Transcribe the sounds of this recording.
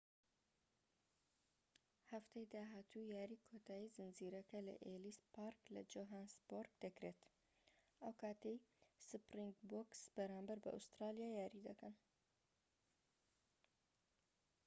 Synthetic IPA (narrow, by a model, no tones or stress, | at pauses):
hɐft̪ʰɐjd̪aːɦaːt̪ʰujaːɾiːkʰoːt̪ʰaːjizɨnziːɾɐkɐlɐ̰ʔelispʰaːɾklɐ̰d͡ʒoːɦaːnsboɾɡd̪̥ɐkɾeːt̪ | ʔɐwkʰaːt̪ejsɨpɾiŋɡboksb̥ɐɾaːmbɐɾbɐ̰ʔṵst̪ɾaːlijaːjaːɾid̪ɐkɐn